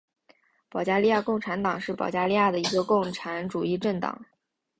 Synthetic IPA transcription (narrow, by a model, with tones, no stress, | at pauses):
pɑ˨˩ʊt͡ɕja˥li˥˧ja˥˧kʊ˥˩ŋʈ͡ʂʰa˧˥nt̪ɑ˨˩ŋʂɻ̩˥˩pɑ˨˩ʊt͡ɕja˥˧li˥˧ja˥˩d̪ə˩i˧˥ɡə˧kʊ˥˩ŋʈ͡ʂʰa˧˥nʈ͡ʂu˨˩i˥˧ʈ͡ʂə˥˩ŋt̪ɑ̰˨˩˦ŋ